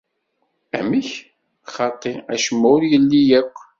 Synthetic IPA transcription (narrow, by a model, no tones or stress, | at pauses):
æmiç | χɑt̪ˤːiæ̰ʃəmːʊɾjəlːijækʷː